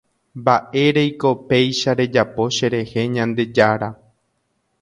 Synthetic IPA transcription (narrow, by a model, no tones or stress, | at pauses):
baʔe̞ɾejko̞pe̞jʃaɾe̞d͡ʒapo̞ʃe̞ɾe̞he̞ɲãnd̪e̞d͡ʒaɾa